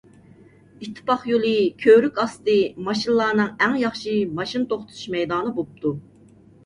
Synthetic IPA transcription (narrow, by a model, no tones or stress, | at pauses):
it̪ʰːɪ̥pɑχjolˠɨkʲʰøɾykʲɑst̪ɨmɑʃinlˠɑːnɨŋæŋjɑχʃimɑʃint̪ʰoχt̪ʰuu̥ʃmɛjd̪ɑːnɨbop̚t̪ʰu